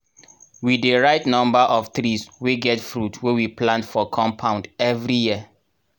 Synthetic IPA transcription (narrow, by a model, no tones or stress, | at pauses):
wideɹaɪtnɔ̃mbəʔɔfθɹisweɡɛtfɹutʰwewiplãntfɔkʰɔ̃mpʰãʊ̃ndɛvɹijiə